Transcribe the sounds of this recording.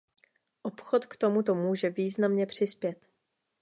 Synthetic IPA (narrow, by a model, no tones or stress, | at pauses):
ʔopxo̞t̪kt̪omut̪̬o̞muːʒɛviːznamɲɛpr̝̥ɪspjɛt̪